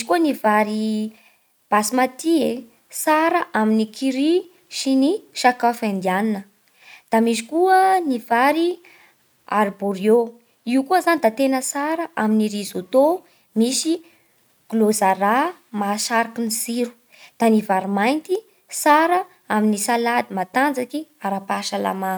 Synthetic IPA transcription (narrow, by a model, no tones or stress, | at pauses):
misi̥kuənivaɾi | b̥asimat̪ie | saɾəʔaminikʰiɾi | ʃiniʃakafand̪ianinə | d̪̥amis̬i̥kuənivaɾi | a̰ɾboɾjo | iukuəzanid̪at̪enəsaɾəʔaminiɾizot̪o | misi | ɡ̥lozaɾa | maʃaɾakiniziɾu̥ | d̪̥anivaɾimajnt̪i | saɾə | aminisalad̪imat̪and͡zakiaɾapaʃala̰ma